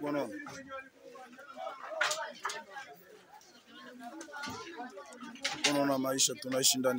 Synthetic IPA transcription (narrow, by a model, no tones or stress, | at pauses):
ɔnɔna | kɔnɔnamaiʃatunaiʃindan